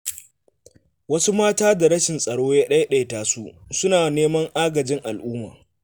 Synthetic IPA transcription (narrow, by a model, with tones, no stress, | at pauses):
wɐ˦su˦maː˦taː˦da˨ɾɐ˦ʃɪ˨nsʼɐ˨ɽoː˦jaː˦ɗɐ˦jɗa˦jtaː˨su˦ʔsʊ˦naː˨neː˦mɐ˦ŋʔaː˦ɡɐ˨d͡ʒɪ˦ŋʔa˨lʔuː˦ma̰ː˨